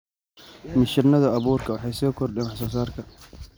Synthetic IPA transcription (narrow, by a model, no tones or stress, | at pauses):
mɪʃɪrnɐðɐɐβuːrkʰɐwɑħɑjsɔːkʰɔrdɛnwħs̬ɔːs̬aːrkʰɐ